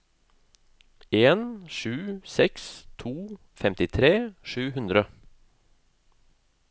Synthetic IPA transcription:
eːnʃʉːsɛkst̪ʰuː | fɛmt̪ɪt̪ʰɾeːʃʉːhʉnd̪ɾə

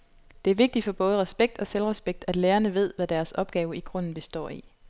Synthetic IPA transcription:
d̥e̝æɐʋe̝ɡ̥̚d̥i̥fɒ̽b̥ɔ̽ːð̞ˠəʁɛsb̥eɡ̥̚d̥ɒ̽selʁɛsb̥eɡ̥̚d̥æd̥leːɐnəʋe̝ð̞̰ˠʋæd̥æɐsɒ̽b̥ɡ̥ɛːʊəiɡ̥ʁɔ̽n̰n̩b̥e̝sd̥ɒ̰ːi

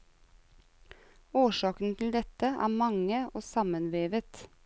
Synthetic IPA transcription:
oːʃɑːkn̩t̪ʰl̩d̪ɛt̪əʔæ̰ːmɑŋəʔoːsɑmənʋeːʋət̪

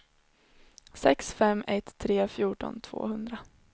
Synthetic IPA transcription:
sɛksfɛmːɛt̪ʰːɾeːfjuːʈɔ̰nt̪ʰv̥o̰ːhɵnd̪ɾa

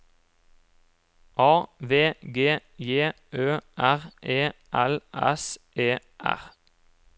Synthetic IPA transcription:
ʔɑːʋeːɡeːjeːʔøːʔæʁʔeːʔɛlʔɛ̰sʔeː | ʔæ̰ʁ

